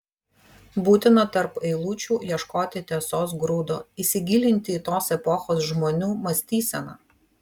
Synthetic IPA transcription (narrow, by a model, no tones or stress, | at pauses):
buːt̪ʲɪnɐt̪ɐɾpɐɪlˠuːt͡ʃʲuːjiɛʃkoːt̪ʲɪt̪ʲeɛsoːsɡɾuːd̪oːisʲɪɡʲiːlʲɪnʲt̪ʲɪːt̪oːsɛpɔxoːsʒmoːnʲuːmɐsʲt̪ʲiːsʲɛnɐ̰